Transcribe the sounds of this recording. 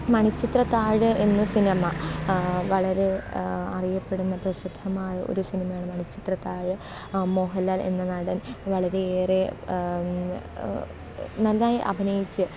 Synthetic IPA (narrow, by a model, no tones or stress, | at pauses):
mɐɳit͡ɕːit̪rɐt̪ːaːɻɨe̞nːɨsinɐmɐ | ʋɐɭɐɾe̞ɐrijɐpːe̞ɽunːɐprɐɕid̪ʱːɐmaːjɐʔo̞̰ɾusinimɐjaːɳɨmɐɳit͡ɕːit̪rɐt̪ːaːɻɨ | mo̞ːɦɐlːaːle̞̰nːɨnɐɽɐnʋɐɭɐɾe̞eːre | nɐlnaːjiʔɐ̰bʱinɐjit͡ɕːɨ